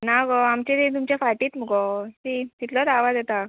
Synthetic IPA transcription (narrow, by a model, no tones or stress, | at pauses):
naɡɔamt͡ɕet̪ẽt̪umt͡ɕefaʈiːt̪m̤əɡɔtit̪it̪lɔd̪aʋad̪ɛt̪a